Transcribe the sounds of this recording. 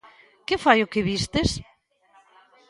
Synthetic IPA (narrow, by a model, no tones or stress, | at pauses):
kɪfajʊkɪβist̪ɪs